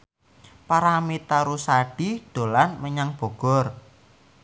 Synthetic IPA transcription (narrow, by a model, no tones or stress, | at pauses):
paɾamit̪aɾusaɖ̥i̤ɖ̥o̤lanməɲaŋb̥ɔ̤ɡ̥ɔ̤r